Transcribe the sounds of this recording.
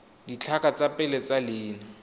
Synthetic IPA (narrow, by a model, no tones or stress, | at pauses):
ɡit͡ɬʰakʼat͡sʼapʼɪlɛt͡sʼalɪːna